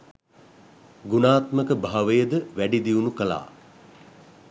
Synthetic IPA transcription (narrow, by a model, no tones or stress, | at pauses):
ɡunaːt̪məkəbʱaɦaʋəjəd̪əʋæɖid̪iunukəla̰ː